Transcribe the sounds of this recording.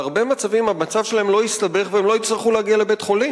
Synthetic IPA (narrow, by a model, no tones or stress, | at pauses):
aʁbe̞mat͡savimamat͡savʃelaemlo̞jist̪abe̞χveemlo̞it͡sʁiχuleaɡiale̞bet̪χo̞li